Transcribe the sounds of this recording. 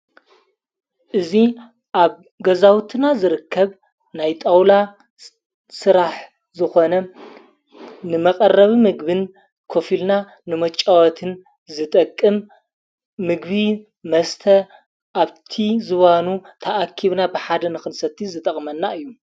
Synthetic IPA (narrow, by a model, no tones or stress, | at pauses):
ʔɨzi | ʔaβ | ɡɐzawt̪ʰɨnazɨɾɨkʰːɐβ | najt̪ʼawla | sɨɾaħ | zɨxo̞nɐ | nɨmɐkʼɐrːɐβimɨɡbɨn | kʰo̞filna | nɨmɐt͡ʃʼːawɐt̪ʰɨn | zɨt̪ʼɐkʼːɨmː | ɨɡbi | mɐst̪ʰɐ | ʔaβt̪ʰizɨβanut̪ʰɐʔːkʰiβnabɨħad̪ɐnɨxɨnsɐt̪ʰːizɨt̪ʼɐχʼmɐnːaɨjːu